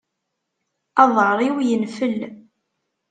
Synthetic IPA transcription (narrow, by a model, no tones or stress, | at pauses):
ɑðˤɾˤiwjənfəl